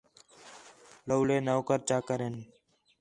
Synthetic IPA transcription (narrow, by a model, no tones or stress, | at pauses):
ləwleːnəʋkəɾt͡ʃaːkəɾeːn